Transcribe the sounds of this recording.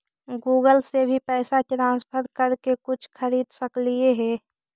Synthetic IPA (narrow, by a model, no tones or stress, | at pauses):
ɡuːɡəlsebʱipɛːsaʈɾãːspʰəɾkəɾkekʊt͡ʃʰxʰəɾiːd̪səklieɦɛː